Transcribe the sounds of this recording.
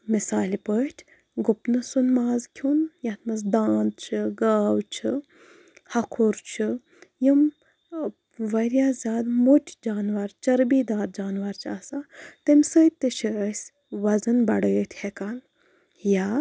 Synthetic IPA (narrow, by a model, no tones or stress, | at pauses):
misaːlipətʰʲ | ɡʊpnɨsunmaːzkʲʰunjat̪mɐsd̪aːnd̪̚t͡ʃʰɨɡaːwt͡ʃʰi | hɐkʰuɾt͡ʃʰɨ | jim | ʋɐɾjaːzʲaːd̪motʲʰd͡ʒaːnʋɐɾt͡ʃɐɾbiːd̪aːɾ̚d͡ʒaːnʋɐɾt͡ʃʰaːsat̪ɐmʲsəjt̪ɨt͡ʃʰiəsʲ | ʋɐzɐnbɐɽəːt̪ʲʰhekaːn | jaː